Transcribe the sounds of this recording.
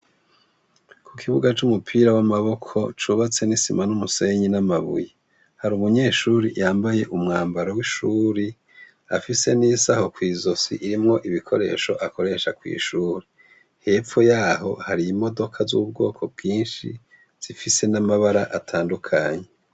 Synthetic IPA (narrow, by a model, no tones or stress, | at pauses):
kʰukʰiβuɡat͡ʃumupʰiːɾawamaβo̞kʰo̞̰t͡ʃuβat͡se̞nisimanumuseɲinamaβṵji | haɾumuɲe̞ːʃuːɾḭjaːmbaje̞ʔumŋaːmbaɾowiʃuːɾi | afise̞niːsaho̞kwiːzo̞sḭʔiɾimŋo̞ʔiβikʰo̞ɾe̞̰ʃo̞ʔakʰo̞ɾe̞ʃakwḭːʃuːɾe | he̞ːp͡fo̞jaːɦo̞haɾiimo̞do̞kʰazuβub̚ɡo̞̰ːkʰo̞b̚ɡiːnʃḭ | z̥ifise̞namaβaɾaʔatʰaːndukʰa̰ɲe